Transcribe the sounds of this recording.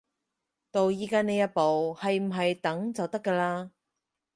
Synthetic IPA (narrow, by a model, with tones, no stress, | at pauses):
t̪o˨wjiː˨˧kaː˧ne˨˧jɐ˥t̚po˨whɐ˨jm̩˨˩ɦɐ˨jt̪ɐ˨˥ŋt͡sɐ˨wt̪ɐ˥kːɛː˧laː˧